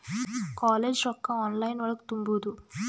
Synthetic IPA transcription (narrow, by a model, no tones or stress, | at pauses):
kaːleːd͡ʒɾɔkːɐaːnlɐjnʋɐɭɐku̥t̪umbuːd̪u